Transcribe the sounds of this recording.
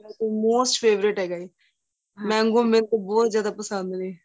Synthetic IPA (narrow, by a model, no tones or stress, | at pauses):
ɛkemoːsʈpʰeːʋɾɪʈɦɛːɡaːiː | mɛ̃ːŋɡõːmɪlt̪obɔːt̪zjaːd̪aːpəsə̃nd̪neː